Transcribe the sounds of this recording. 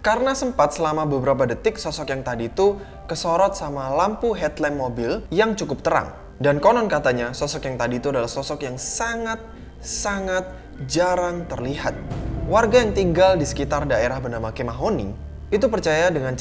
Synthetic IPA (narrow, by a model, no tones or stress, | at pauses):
kaɾənasəmpat̪̚səlamabəbəɾap̬adət̪ɪk̚sɔsɔkjaŋt̪adiːt̪u | kəsɔɾɔt̪̚samalampuɦɛt̪lɛnmːobɪljaŋt͡ʃukʊp̚t̪əɾa̰ŋ | dankɔnɔnkat̪aɲasɔsɔkjaŋt̪adiːt̪uadalahsɔsɔkjaŋsaŋat̪̚ | saŋat̪̚ | d͡ʒaɾaŋt̪ərliɦat̪̚warɡajaŋt̪iŋɡaldisə̥kit̪ardaeɾahbənamakemaɦonḭ | it̪̬upərt͡ʃajadəŋan